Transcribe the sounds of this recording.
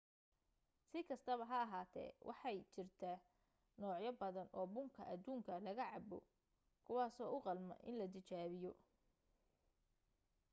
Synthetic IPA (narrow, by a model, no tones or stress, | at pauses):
sɪkʰɐst̪ʰɐβɐɦɐːɦaːt̪ʰɛ̰ːwʔɑ̰ħɑjt͡ʃɪrt̪ʰɐ | nɔːʕjɐbɐðɐnʔɔːbʊŋkʰɐʔɐd̪uːŋkʰɐlɐɣɐʕɑbɔ̰ | kʰʊwɑːsɔːʔʊqɑlmɐ̰ʔɪ̰nlɐd̪ɪt͡ʃaːβɪjɔ